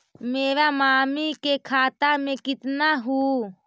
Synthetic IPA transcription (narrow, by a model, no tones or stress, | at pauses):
meːɾamaːmikekʰaːt̪amẽkɪt̪naɦuː